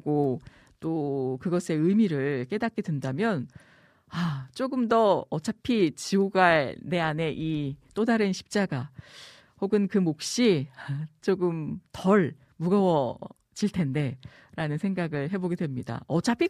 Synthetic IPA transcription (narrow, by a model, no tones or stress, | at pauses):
ɡo | t͈okɯɡʌsʰe̞ɯmiɾɯɭk͈e̞dat̚k͈edwendamjʌn | at͡ɕ͈oɡɯmdʌʌt͡ɕʰapʰit͡ɕiuɡaɭne̞ane̞ʔit͈odaɾɯnɕʰi̥p̚t͡ɕ͈aɡa | hoɡɯnkɯmok̚ɕ͈iat͡ɕ͈oɡɯmtʌɭ | muɡʌwʌ | d͡ʑiɭtʰe̞nde̞ | ɾanɯnsʰe̞ŋɡaɡɯɭɦe̞boɡe̞dwe̞mɲida̰ʌt͡ɕʰapʰi